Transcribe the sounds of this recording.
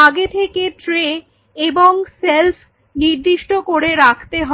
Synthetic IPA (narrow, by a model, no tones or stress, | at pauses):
aɡet̪ʰekeʈɾe | eboŋselfʰ | niɾd̪iʃʈokoɾeɾakʰt̪eɦɔ